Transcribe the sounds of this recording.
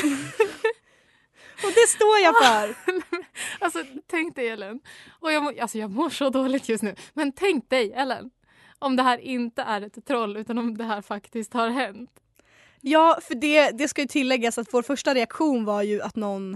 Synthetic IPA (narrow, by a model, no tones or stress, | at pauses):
ɔd̪ɛst̪oːɾjafœɾ | alsɔt̪ʰɛŋkt̪̚d̪ɛjɛlːɛn | ɔjɑːɡmɔalsɔjɑːɡmoːʂɔd̪oːlɪɡ̚t̪ʰjɵst̪nʉ̟ːmɛnt̪ʰɛŋk̪̚d̪ɛjɛlːə̰n | ɔmd̪ɛɦæːɾʔɪnt̪əʔæɾɛt̪ʰːɾɔlːʉ̟ːt̪anɔmd̪ɛɦæːɾfakt̪ɪsk̚t̪haɾɦɛnt̪ | jɑːfœɖɛd̪ɛskajɵt̪ʰɪlːɛɡːasat̪voːɾfœʂʈaɾɛakɧuːnvaɾjɵat̪nɔn